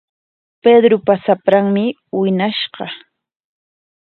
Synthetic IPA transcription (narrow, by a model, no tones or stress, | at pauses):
ped̪ɾʊpasapɾaŋmɪ | wɪnaʃɢɑ